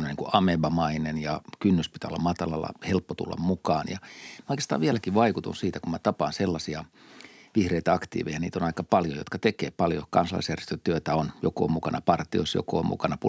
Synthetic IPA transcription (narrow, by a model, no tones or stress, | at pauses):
noniːŋkuɑmeʋɑmɑinenjɑkynːyspi̥t̪æo̰lːɑmɑt̪ɑlɑlːɑ̰helpːot̪ṵlːɑ̰mmukɑːnjɑ̰mæoikest̪ɑ̰ːʋiælækiʋʋɑikut̪unsiːt̪ækumæt̪ɑpɑnselːɑsiɑʋihreit̪æɑkt̪ḭːʋḛijɑniːt̪onɑikɑpɑljo̰jo̰t̪kɑt̪ekḛːpɑljokɑnsɑlɑ̰isjærjest̪øt̪yøt̪æonjoko̰ːmukɑnɑpɑrt̪io̰isjo̰ko̰ːmṵkɑnɑpu